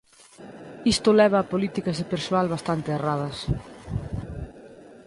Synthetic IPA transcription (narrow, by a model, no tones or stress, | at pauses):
ist̪ʊlɛβ̞ɐːpolit̪ikɐzðepeɾsoalβast̪ant̪ɪerað̞ɐs